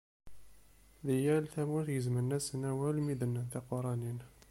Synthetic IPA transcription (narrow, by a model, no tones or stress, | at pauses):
ðəjælt̪æmuθjəzmənːæsnæwælmid̪ənːənt̪æqoɾˤɑnin